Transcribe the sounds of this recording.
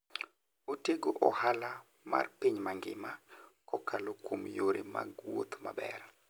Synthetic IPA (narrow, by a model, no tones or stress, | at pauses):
oteɡoʔɔhala | ma̰rpiɲmaŋɡɪmakɔkalokwomjoɾema̰ɡwo̰t̪mabɛ̰r